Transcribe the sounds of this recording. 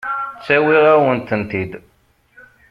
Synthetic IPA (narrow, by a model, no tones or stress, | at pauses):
t͡sːæwiʁawənt̪ənt̪id̪